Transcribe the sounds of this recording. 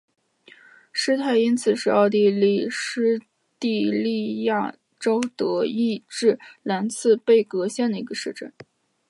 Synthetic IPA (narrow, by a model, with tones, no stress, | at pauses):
ʂɻ̩˥t̪ʰa˥˩ɪi˥nt͡sʰɹ̩˨˩ʂɻ̩˥˧ɑ˥˧ʊt̪̬i˥˧li˥˩ʂɻ̩˥ | t̪i˥˧li˥˧ja̰˥˩ | ʈ͡ʂo˥ʊt̪ɤ˧˥i˥˧ʈ͡ʂɻ̩˥˩la˧˥nt͡sʰɹ̩˥˧pe˥˩ɪkɤ˧˥ɕjɛ˥˩nd̪ə˩i˧˥ɡə˧ʂɻ̩˥˧ʈ͡ʂə̰˥˩n